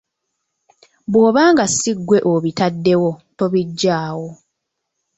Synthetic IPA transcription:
bwo̞ːβaːŋɡasiɡwe̞ʔoβitadːe̞wo̞to̞βiɟːaːwo̞

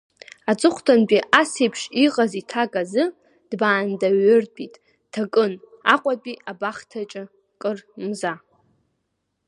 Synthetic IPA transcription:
at͡sʼɨχʷʰtʰanbʼiʔasejpʰʂiqʼazitʰakʼazɨ | d̥baːndaɥʏrpʼitʼ | tʰakʼɨn | aqʷʼapʼiabaχtʰat͡ʃʼɪ | kʼɨrmza

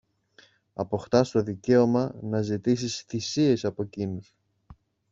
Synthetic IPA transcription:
ɐpo̞xt̪ɐst̪o̞ðice̞o̞mɐnɐzit̪isisθisie̞sɐpo̞cinus

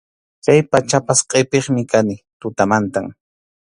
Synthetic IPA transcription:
kajpat͡ʃapasqʼepeχmɪkanɪt̪ʊt̪amant̪aŋ

